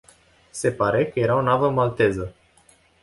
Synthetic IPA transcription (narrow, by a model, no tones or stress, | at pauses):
se̞paɾe̞kəje̞ɾaonavəmalt̪e̞zə